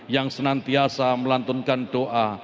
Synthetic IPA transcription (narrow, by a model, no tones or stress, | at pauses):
jaŋsənant̪iasaməlant̪ʊnkanɖ̥oʔa